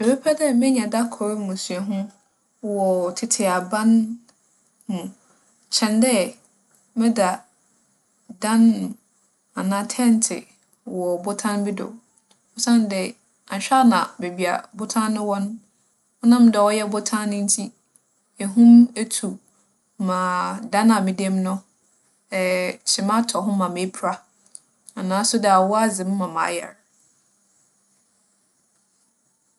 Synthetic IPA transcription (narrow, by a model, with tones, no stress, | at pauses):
ɛ˨bɛ˦pʰɛ˦dɛ˦mɪ̃˦ɲã˨da˦kʰɔ˨ɾmʊ̃˨sɥɛ˨ɦʊ̃˦ | wɔ˨tʰɪ˨tʰɪ˨a˨bã˦n | nʊ̃˨ | t͡ɕʰɛ̃˨ndɛ˦ | mɪ̃˦da˨ | dã˦n˨ | a˨nã˦tʰɛ̃˦n˦tʰɪ̰˨ | wɔ˨bʊ˦tʰã˦nbɪ˦dɔ̰˨ | ɔ˦sã˦ndɛ˨ | a˨ɲ˨ɕᶣa˦nã˨be˨bi˨a̰˨bʊ˦tʰã˦nːʊ̃˦wɔ̃˦nʊ̃˦ | ɔ˦nã˦m˦dɛ˨ɔ˦jɛ˦bʊ˦tʰã˦nʊ̃˦n̩˦tʰi˦ | ɛ˨ɦũ˦me˦tʰu˨ | mã˨da˦nã˨mĩ˦dɛ˦m˦nʊ̃˦ | ɛ˨t͡ɕʰɪ˨mã˦tʰɔ˨ɦʊ̃˦mã˨me˨˦pʰɾa˦ | a˨nãː˨˦sʊ˦dɛ˨a˨wɔ˦a˦zɪ̃˨m̩˦mã˨mã̰ː˨˦jɛ̰˨ɾ